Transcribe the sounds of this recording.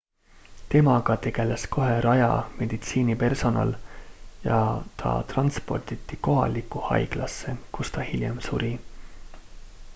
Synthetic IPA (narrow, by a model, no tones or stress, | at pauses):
t̪e̞mɑɡ̥ɑt̪e̞ɡ̥e̞lesko̞ɦe̞ɾɑjɑ̰me̞d̪̥it̪siːnipe̞rso̞nɑ̰ljɑt̪ʰɑ̰t̪rɑnspo̞rt̪it̪ːˑiko̞ɦɑ̰likːˑuhɑ̰jɡ̥lɑsːe̞kust̪ɑhiljḛmsuɾi